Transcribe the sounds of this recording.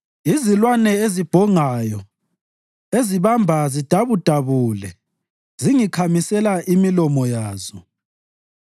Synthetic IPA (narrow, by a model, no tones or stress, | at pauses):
izilwanɛezib̥ʱɔŋajɔ | eziβambʱazid̥ʱaβud̥ʱaβuːlɛ̰ | ziŋikʰamisɛlaʔimilɔmɔjaːzɔ